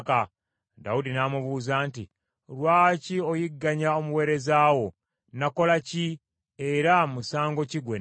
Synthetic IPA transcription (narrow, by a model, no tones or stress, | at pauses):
ka | daudinamuβuːzaːnti | lwaːcio̞jiɡːaɲaomuwe̞ːɾe̞zaːwo̞ | nako̞laci | e̞ɾamusaːŋɡo̞ciɡwe